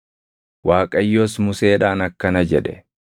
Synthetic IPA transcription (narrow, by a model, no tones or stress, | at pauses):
waːkʼɐjːoːsmʊse̞ːᶑaːnɐkːɐnɐd͡ʒɛᶑɛ